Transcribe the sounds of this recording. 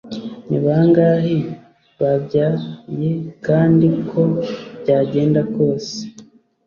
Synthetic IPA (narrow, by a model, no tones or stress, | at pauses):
niβaŋɡaːhi | βabɟajekaːndikʰo̞bɟaːɟe̞ːndako̞ːse̥